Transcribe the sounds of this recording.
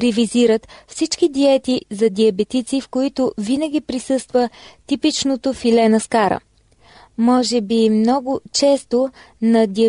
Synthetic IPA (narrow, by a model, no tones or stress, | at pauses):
ɾɛviziɾət̪fsit͡ʃkid̪iɛt̪izɐd̪iɐbɛt̪it̪sifkoit̪ovinəɡ̟ipɾisɤst̪vət̪ipit͡ʃnot̪ofilɛnəskaɾə̰ | mɔʒɛbimnɔɡʊt͡ʃɛst̪o | nɐd̪iɐ